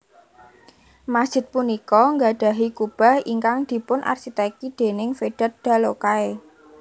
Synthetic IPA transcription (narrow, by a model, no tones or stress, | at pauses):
masd̥ʒ̥ɪ̤t̪̚punikɔŋɡa̤ɖ̥a̤ɦikub̥a̤hiŋkaŋd̪̥i̤pʊnʔa̰rsit̪ɛkid̪̥e̤nɪŋfeɖ̥a̤t̪̚d̪̥a̤lokae